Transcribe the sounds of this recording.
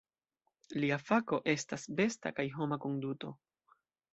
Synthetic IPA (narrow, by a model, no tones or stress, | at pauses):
liafako̞ʔe̞stasbe̞sta̰kajɦo̞mako̞nduto̞